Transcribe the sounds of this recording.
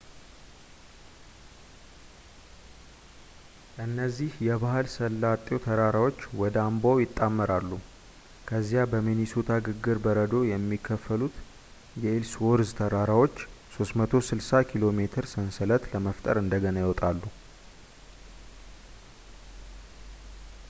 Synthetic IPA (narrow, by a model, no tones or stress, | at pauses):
ɨnːəzːihjɛβahɨlsəlːat̪ʼːjo̞t̪ʰəɾaɾawo̞t͡ʃːwɔd̪əambowjɪt̪ʼːamːəɾalːu | kʰəzːijabəminisot̪ʰaɡɨɡːɨɾbəɾəd̪o̞jɛmːikʰːəfːəlut̪ | jɛelswoɾzt̪ʰəɾaɾawo̞t͡ʃːso̞st̪mət̪ʰo̞sɨlsakʰilo̞met̪ʰɨɾsənsələt̪ləməft̪ʼə̰ɾɨnd̪əɡənajɪwɔt̪ʼalːu